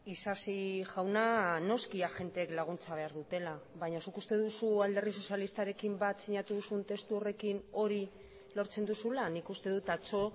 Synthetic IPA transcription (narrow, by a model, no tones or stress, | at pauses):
isasiʝawnano̞skiaʝe̞nt̪eːklaɣ̞unt͡saβ̞e̞aɾðut̪e̞laβaɲasukust̪e̞ðusuald̪e̞ris̬o̞sjalist̪aɾe̞kimbat̪siɲat̪uðusunt̪e̞st̪uo̞re̞kino̞ɾi | lo̞ɾt͡se̞nd̪usulanikust̪e̞ðut̪at͡so̞